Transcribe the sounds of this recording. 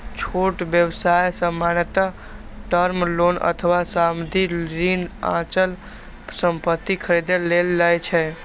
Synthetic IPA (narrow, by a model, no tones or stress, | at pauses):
t͡ʃʰoʈbjəwsajsəmːanət̪a | ʈəɾmlonə̰t̪ʰəʋasamd̪ʱiɾinã̰t͡ʃəl | səmpət̪ːikʰəɾid̪elːelːajt͡ʃʰɛ